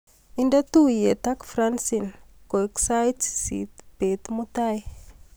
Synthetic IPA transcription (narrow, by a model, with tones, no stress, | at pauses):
inda˦t̪u˦je˨t̪a˦kfɾansin | ko˨iksa˦jtsḭt̪b̥e˨t̪mut̪aj